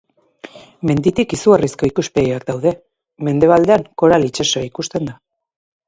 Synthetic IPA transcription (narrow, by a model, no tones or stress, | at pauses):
me̞nd̪it̪ikisuarisko̞ikuspeðiakd̪awðe̞ | me̞nd̪e̞β̞ald̪e̞aŋko̞ɾalit͡ʃesoikust̪e̞nd̪a